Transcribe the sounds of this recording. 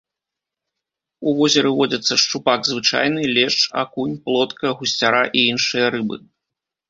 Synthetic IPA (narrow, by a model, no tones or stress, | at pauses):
uvɔzʲɛɾɨvɔd͡zʲɐt̪sːɐʂt͡ʂupaɡzvɨt͡ʂa̰jnɨlʲɛʂa̰kunʲplˠɔt̪kɐɣusʲt͡sʲaɾaʔiinʂɨjɐɾɨbɨ̰